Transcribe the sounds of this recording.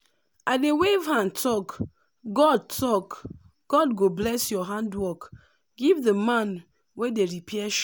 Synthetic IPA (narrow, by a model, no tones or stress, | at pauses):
adewevɦãntʰɔk | ɡɔd̚tʰɔk | ɡ̥ɔdɡoblɛsjɔɦãndwɔk | ɡivðəmãn | wedeɹipʰɛʃ